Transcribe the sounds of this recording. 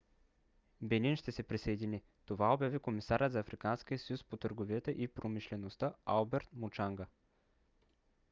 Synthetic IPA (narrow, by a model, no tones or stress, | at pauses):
bɛninʃt̪ɛsɛpɾisəjd̪ini | t̪ovaobʲjavikomisaɾət̪zɐːfɾikansk̟ijəsəjuspot̪əɾɡoviət̪əʔipɾomiʃlɛnost̪əalˠbɛɾt̪mot͡ʃaŋɡə